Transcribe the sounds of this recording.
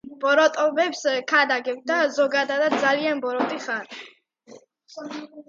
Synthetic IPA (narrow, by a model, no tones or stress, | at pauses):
b̥ɔɾɔt̪ʼɔbɛpskʰad̪aɡɛbd̪azɔɡad̪ad̪at̪̚d̪zalianbɔɾɔt̪ʼiχaɾi